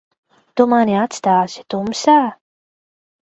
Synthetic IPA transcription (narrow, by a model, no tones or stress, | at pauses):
t̪umaniat̪st̪aːsi̥t̪umsaː